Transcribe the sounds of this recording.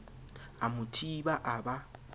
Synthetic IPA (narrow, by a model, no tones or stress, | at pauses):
amʊtʰibaʔaba